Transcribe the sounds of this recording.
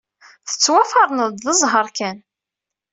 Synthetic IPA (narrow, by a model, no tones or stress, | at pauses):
θə̥t͡sːwæfɑɾˤnəðd̪ðəzˤɦəɾˤkæn